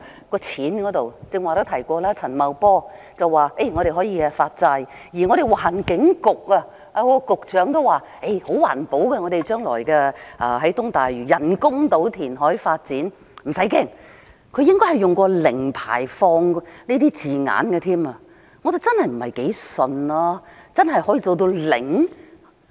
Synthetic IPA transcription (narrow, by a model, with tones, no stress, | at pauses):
kɔː˧t͡sʰiː˨˥nkɔː˨˥t̪o˨wt͡sɪ˧ŋwaː˨˩ɾʊ˥wt̪ʰɐ˨˩jkʷɔː˧laː˥t͡sʰɐ˨˩nmɐ˨wpɔː˥ | t͡sɐ˨wwaː˨e˥˧jŋɔ˨˧ɾe˨jɦɔː˨˥jiː˨˧ɐ˧faː˧t̚t͡sɐ˧j | jiː˨˩ŋɔː˨˧ɾe˨˩jwaː˨˩nkɪ˨˥ŋkʊ˨k̚ɐ˧ | ʔa˧kɔ˧˥˧kʊ˨k̚t͡ʃœː˨˥ŋt̪o˥waː˨˩ | e˥˩jho˨˥wwaː˨˩npo˨˥wkɛ˧ŋɔː˨˧ɾe˨jt͡ʃœː˥ŋlɔ̰ː˨˩jkɛː˧ʔɐː˧ɦɐ˨˥jt̪ʊ˥ŋt̪aː˨jɥyː˨˩jɐ˨˩nkʊ˥ŋt̪o˨˥wt̪ʰiː˨˩nɦɔː˨˥jfaː˧t̚t͡siː˨˥n | m̩˨˩sɐ˨˥jkɛː˥ŋ | kʰɵ˨˧ɥjɪ˥ŋkɔː˥hɐ˨jʊ˨ŋkɔː˧lɪ˨˩ŋpʰa̰ː˨˩jfɔː˧ŋniː˥t̪iː˥t͡siː˨ŋa̰ː˨˧˥nɡɛ˧t̪ʰiː˥ma˧ | ŋɔ˨˧t̪e˨t͡sɐ˥nhɐ˨jm̩˨˩hɐ˨jke˨˥jsɵ˨nlaː˥t͡sɐ˥nɦɐ˨jhɔː˨˥jiː˨t͡so˨wt̪o˧wlɪ̰˨˩ŋ